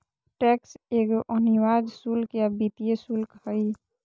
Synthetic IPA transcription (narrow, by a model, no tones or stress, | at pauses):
ʈɛkseɡoʔəniwad͡ʒsulkjabit̪ijesulkhəj